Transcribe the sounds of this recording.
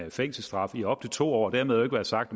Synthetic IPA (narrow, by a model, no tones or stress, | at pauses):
feŋ̰sl̩sd̥ʁɑ̈fiɒ̽b̥̚t͡sʰe̥t͡sʰo̝̰ːɒ̰ːɒd̥æɐmeðˠe̝ɡ̥ʋæɐsɑ̈ɡ̥d̥